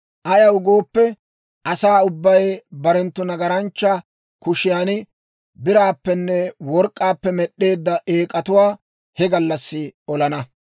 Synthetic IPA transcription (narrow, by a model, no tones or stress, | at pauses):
ʔɐjɐwʊɡoːpːɛ | ʔɐsaːʊbːɐjbɐɾɛnt̪ːʊnɐɡɐɾɐnt͡ʃːɐ | kʊʃɪjaːnɪ | bɪɾaːpːɛnːɛwɔɾkʼːaːpːɛmɛɗe̞ːd̪ːɐʔe̞ːkʼɐt̪ʊwaː | hɛɡɐlːɐsːɪɔlɐnɐ